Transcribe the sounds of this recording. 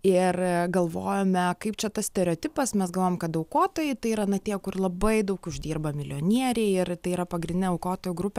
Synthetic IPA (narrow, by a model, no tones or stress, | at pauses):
ɪrɡɐlˠʋoːjoːmʲɛkɐɪp̚t͡ʃʲɛt̪ɐsʲt̪ʲɛɾʲoːt̪ʲɪpɐsmʲɛsɡɐlˠʋoːjmkɐt̪dɐʊkoːt̪oːjɛɪt̪ɐɪiɾɐːnɐt̪ʲiːkʊrlˠɐbɐɪd̪ɐʊkʊʒʲd̪ʲiːrbɐmʲɪlʲoːnʲiɛɾʲɛɪɪt̪ɐɪiːɾɐpɐɡɾʲɪnd̪ʲɪnʲɛɐʊkoːt̪oːjʊɡɾʊpʲɛ